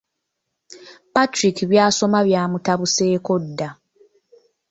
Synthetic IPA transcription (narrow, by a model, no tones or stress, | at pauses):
patɾikiβjaːso̞maβjaːmutaβuse̞ːko̞dːa